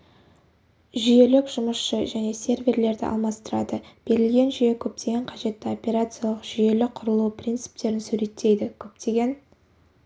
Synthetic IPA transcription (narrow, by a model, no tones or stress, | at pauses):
ʒije̞lɪkʒ̥ʊməsʃəʒæne̞sʲe̞rvʲe̞ɾle̞ɾd̪ɪ̰ʔɑ̰lˠmɑst̪əɾɑ̰d̪əb̥e̞ɾɪlɡʲe̞nʒyje̞kʲʰɵp̚t̪ʰe̞ɡʲe̞ɴqʰɑʒe̞t̪ːɪo̞pʲe̞ɾat̪sɨjalˠəqʒ̥ije̞lɪqʰʊɾəlˠuprʲijnt̪sɨ̥p̚t̪e̞ɾɪnsʉɾe̞t̪ʰːe̞jd̪ɪkʲʰɵp̚t̪ʰe̞ɡʲe̞n